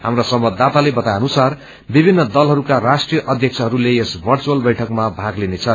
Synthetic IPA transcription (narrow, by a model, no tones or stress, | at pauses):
ɦamrosʌmbʌd̪ːat̪alebʌt̪ajʌnusar | bibʱinːʌd̪ʌlɦʌɾukarasʈrijʌʔʌd̪ʱjʌk̚t͡sʰʌɦʌɾuleesbʱʌrt͡suwʌlbʌjʈʰʌkmabʱaɡlinet͡sʰʌ